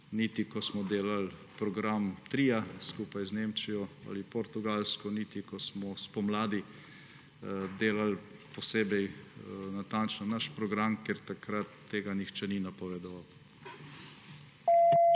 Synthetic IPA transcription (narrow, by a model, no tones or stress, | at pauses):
nit̪ikɔsmɔd̪eːlalpɾɔɡɾamt̪ɾiːjaskuːpajzneːmt͡ʃijɔa̰lipɔɾt̪uɡalskɔnit̪ikɔsmɔspɔmlaːd̪i | d̪eːlalpɔseːbɛjnat̪ant͡ʃnɔnaʃpɾɔɡɾamkeɾt̪akɾat̪ːeːɡanixt͡ʃɛninapɔʋed̪ɔʋaw